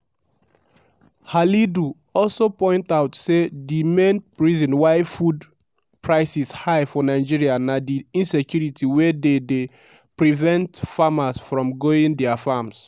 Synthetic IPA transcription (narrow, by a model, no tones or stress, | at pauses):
halidu | ɔlsopɔ̃ɪ̃ntaʊtsedimẽnpɹizɔ̃nwaɪfud | pɹaɪsishajfɔnaɪd͡ʒiɹianadiĩnsɛkjuɹitʰiwɛdede | pɹivɛ̃ntfamasfɹɔ̃mɡoĩndɛafams